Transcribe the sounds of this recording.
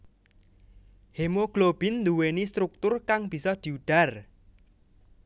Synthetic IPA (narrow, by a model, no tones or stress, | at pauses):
hemoɡ̥lob̥i̤nd̪uwenist̪ɾuk̚t̪ʊrkaŋb̥i̤sɔd̪̥i̤uɖ̪̥a̤r